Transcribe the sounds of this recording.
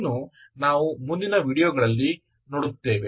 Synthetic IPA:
nunaːʋumund̪inɐʋiːɽijɔɡɐɭɐlːi | noːɽut̪ːe̞ːʋe

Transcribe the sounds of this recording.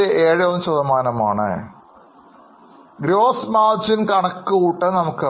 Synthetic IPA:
eʔeːɻɨonːɕɐðɐmaːnɐmaːɳɨ̰ | ɡɾoːsmaːd͡ʑinkɐɳɐkːɨuːʈːɐnɐmukːɨ

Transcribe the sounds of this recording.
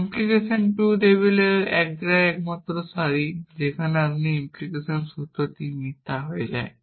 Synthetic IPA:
implikesɔnʈud̪ebileɾɛk̚ɡɾaɛkmat̪ɾɔsaɾid͡ʑekʰaneapniimplikesɔnsut̪ɔt̪imit̪ːaɦojed͡ʑa̰e

